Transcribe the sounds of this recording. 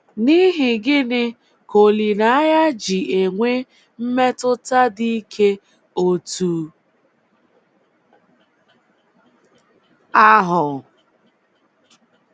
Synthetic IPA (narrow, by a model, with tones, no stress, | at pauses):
ni˦ɦɪ˨ɡɪ˦nɪ˦ | ko˨li˨na˨˦a˦ja˦d͡ʒi˨ʔe˨ŋʷe˦ | m̩˦me˦tʊ˦ta˦di˦i˦kʰe˦ | o˦tuː˦ | a˦ɦʊ˨